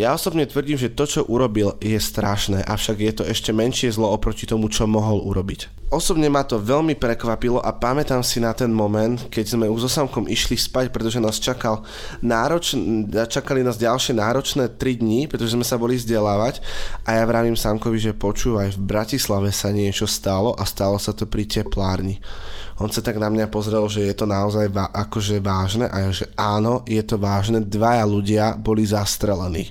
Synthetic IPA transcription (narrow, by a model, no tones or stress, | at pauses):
jaɔsɔbɲɛt̪ʋr̩ɟiːmʒɛt̪ɔt͡ʃɔʔuɾɔbiljɛst̪ɾaʃnɛːʔafʃaɡjɛt̪ɔɛʃcɛmɛnʃɪɛzlɔɔpɾɔcit̪ɔmut͡ʃɔmɔɦɔluɾɔbic | ɔsɔbɲɛmat̪ɔʋɛʎmipɾɛkʋapilɔʔapamɛt̪aːmsinat̪ɛnmɔmɛnt̪kɛɟzmɛuʒzɔsamkɔmʔiʃlispacpɾɛt̪ɔʒɛnaːst͡ʃakal | naːɾɔt͡ʃt͡ʃakalinaːzɟalʃɪɛnaːɾɔt͡ʃnɛːt̪ɾid̪ɲipɾɛt̪ɔʒɛzmɛsabɔlivzɟɛlaːʋacʔajaʋɾaʋimsaŋkɔʋiʒɛpɔt͡ʃuːʋajvbɾacislaʋɛsaɲɪɛt͡ʃɔst̪alɔʔast̪alɔsat̪ɔpɾicɛplaːɾɲiʔɔnsat̪aɡnamɲapɔzɾɛlʒɛjɛt̪ɔnaɔzajʋaʔakɔʒɛʋaːʒnɛʔaʒɛʔaːnɔjɛt̪ɔʋaːʒnɛd̪ʋajaluɟɪabɔlizast̪ɾɛlɛnḭː